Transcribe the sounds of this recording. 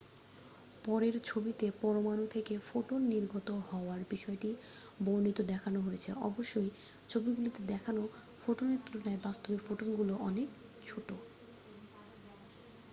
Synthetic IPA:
pɔɾeɾt͡ɕʰobit̪epɔɾomanot̪ʰekefoʈonːiɾɡʱɔt̪oɦɔoaɾbiʃɔeʈi | boɾnit̪od̪ɛkʰanoɦojet͡ɕʰeʔɔ̰boʃːoj | t͡ɕʰobiɡulit̪ed̪ɛkʰano | foʈonet̪ːuɾonaebast̪obefoʈonɡuloʔɔnek | t͡ɕʰoʈo

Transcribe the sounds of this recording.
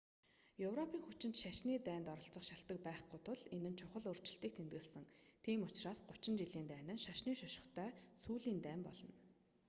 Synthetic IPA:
jɵwrɔpʰiːŋxut͡ɕɪ̆nt̪ʃaʃniːt̪æːnt̪ɔɾɞ̆ɬt͡sə̆χʃaɬt̪ə̆k̚pæːχɡʊjt̪ʰʊɮenɘ̆nt͡ɕʰʊχə̆ɮɵr̥t͡ɕɪ̆ɬt̪iːkt̪ʰent̪ɡɘ̆ɮsə̆ŋt̪ʰiːmʊt͡ɕraːsɢʊt͡ɕɪ̆nt͡ɕiɮiːnt̪æːnɘ̆nʃaʃniːʃɔʃɪ̥̆χt̪ʰœːsuːɮiːnt̪æːmpɔɮɞ̆n

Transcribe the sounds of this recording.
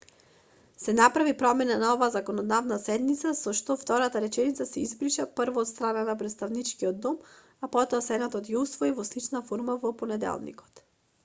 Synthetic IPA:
sɛnapɾavipɾɔmɛnanaɔvaːzakɔnɔd̪avnasɛd̪nit̪sasɔʃt̪ɔft̪ɔɾat̪aɾɛt͡ʃɛnit̪sasɛizbɾiʃapəɾvɔːt̪st̪ɾananapɾɛt̪st̪avnit͡ʃkiɔd̪ːɔm | apɔt̪ɔasɛnat̪ɔt̪jɛusvɔivɔslit͡ʃnafɔɾmavɔponɛd̪ɛ̰lˠnḭkɔ̥t̪

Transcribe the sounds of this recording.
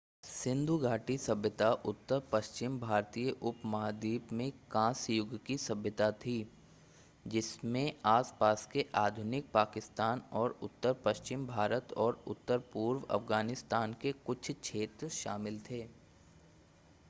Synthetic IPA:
sɪ̃nd̪ʱuɡʱaːʈisɐbjət̪aʔʊt̪ːəɾpɐʃt͡ʃɪmbʱaːɾt̪ijəʔʊpmaːd̪iːpmẽkãːsjʊɡkisɐbjət̪at̪ʰi | d͡ʒɪsmẽaːspaːskeʔaːd̪ʱʊnɪk̚paːkɪst̪aːnɔːɾʊt̪ːəɾpɐʃt͡ʃɪmbʱaːɾət̪ɔːɾʊt̪ːəɾpuːɾʋɐ̰fɡaːnɪst̪aːnkekʊt͡ʃʰt͡ʃʰeːt̪ɾʃaːmɪlt̪ʰeː

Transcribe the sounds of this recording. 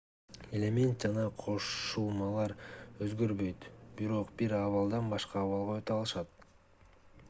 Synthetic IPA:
elʲe̞mʲe̞nt̪̚d͡ʒɑnɑqʰo̞ʃulˠmɑlˠɑɾøzɡøɾβø̞jt̪biɾo̞qbiɾɑβɑlˠd̪ɑnbɑʃqɑːβɑlˠʁɑøt̪ɑlˠɯʃɑt̪̚

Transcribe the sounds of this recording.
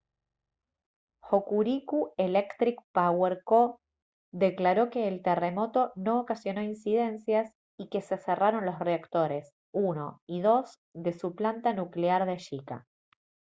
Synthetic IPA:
xokuɾikuelekt̪ɾikpaweɾko | ðe̞klaɾo̞ke̞ːlt̪ere̞mo̞t̪o̞no̞ːkasjo̞no̞insið̞e̞nsjas | ike̞se̞seraɾo̞nlo̞sreakt̪o̞ɾe̞s | uno̞̰iðo̞z | ðe̞suplant̪anukleaɾðeʃika̰

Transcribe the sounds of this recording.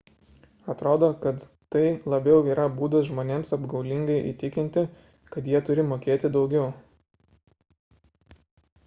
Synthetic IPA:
ɐt̪ɾoːd̪oːkɐt̪ | t̪ɐɪlˠɐbʲɛʊiːɾɐbuːd̪ɐsʒmoːnʲeːmsɐbɡɐʊlʲɪŋɡɐɪʔḭːt̪ʲɪkʲɪnʲt̪ʲɪ | kɐt̪jiɛt̪ʊɾʲɪmoːkʲeːt̪ʲɪd̪ɒʊɡʲɛʊ

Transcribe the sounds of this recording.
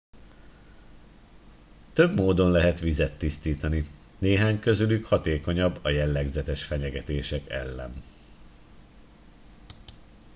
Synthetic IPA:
t̪ø̞bmoːd̪o̞nlɛɦɛt̪ʋizɛt̪ːist̪iːt̪ɒni | neːɦaːɲkøzylykhɒt̪eːko̞ɲɒbːɒjɛlːɛɡzɛt̪ɛʃfɛɲɛɡɛt̪eːʃɛkɛ̰lːɛ̰n

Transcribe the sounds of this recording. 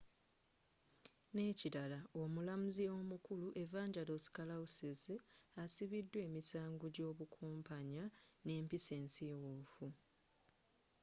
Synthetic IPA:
ne̞ːciɾalao̞mulamuzio̞ːmukuluʔe̞vaːɲɟalosi̥kalausiziasiβidːwe̞ːmisaːŋɡuɟo̞ːβukʰuːmpaɲane̞ːmpise̞ːnsiːwufu

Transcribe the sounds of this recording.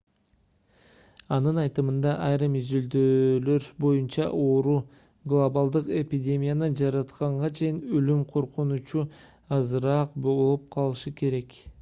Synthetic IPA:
ɑnɯnɑjt̪ɯmɯnd̪ɑʔɑjɾɯmizyld̪øːlø̞ɾbo̞junt͡ʃɑ̰ʔo̞ɾu | ɡlˠobalˠd̪ɯqe̞pʲidʲe̞mʲijanɯd͡ʒɑɾɑt̪qɑɴʁɑt͡ʃʰe̞jinølymqʰo̞ɾqunut͡ʃu | ɑzɯɾɑqbolˠup̚qʰɑlˠɯʃɯke̞ɾe̞k

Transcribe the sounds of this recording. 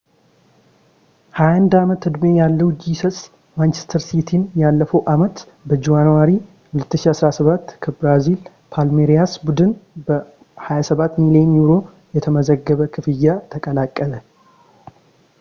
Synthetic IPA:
hajand̪amət̪ɨd̪mejalːəwud͡ʒisəsʼ | mant͡ʃest̪ʰəɾsit̪ʰinjalːəfəwʔamət̪ | bəd͡ʒuwanwaɾi | hʊlət̪ːɨʃiasɾasəβat̪ːkʰəbɾazil | pʰalmeɾijasbud̪ɨnbə | hajasəβat̪ːmilienjuɾo̞ | jɛt̪ʰəməzəɡːəβəkʰɨfɨjːat̪ʰəkʼəlakʼːələ

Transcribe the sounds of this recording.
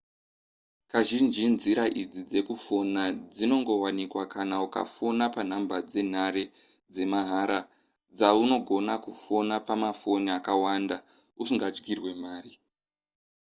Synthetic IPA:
kaʒind͡ʒinziɾaʔid͡zid͡ze̞kufo̞nad͡zino̞ŋɡo̞wanikwakʰanauka̰fonapan̤ambad͡ze̞n̤aɾe | d͡ze̞maɦaɾa | d͡zauno̞ɡʱo̞nakufo̞napamafo̞niakawanda | usiŋɡad͡ʒɡirwe̞maːri

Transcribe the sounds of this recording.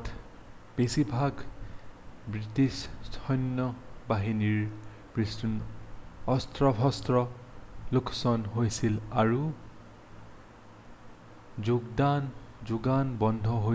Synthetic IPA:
t | b̥esibʱaɡ | bɹitistʰɔjnːɔbaɦiniɹ | pɹistun | ɔstɹɔbʱɔstɹɔlukʰsɔnɦojsilaɹu | zuɡdanzuɡanbɔndʱɔɦo

